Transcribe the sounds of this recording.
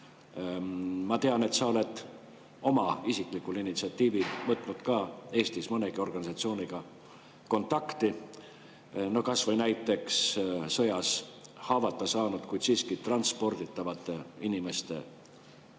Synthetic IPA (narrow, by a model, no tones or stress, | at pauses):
mɑt̪e̞ɑne̞t̪sɑole̞d̪̥ | o̞mɑisiklikːulinit̪siɑt̪ːiːvilvɤt̪ːˑnud̪̥kɑːe̞ːst̪ismɤneɡ̥io̞rɡ̥ɑnisɑt̪sio̞ːniɡ̥ɑ | ko̞nt̪ːˑɑkt̪i | no̞kɑsvɤjnæjt̪ːˑe̞kssɤ̞jɑshɑːvɑt̪ːˑɑsɑːnud̪̥kujd̪̥siːskit̪rɑnt̪spo̞rd̪it̪ːˑɑvɑt̪ːˑe̞inime̞st̪e̞̰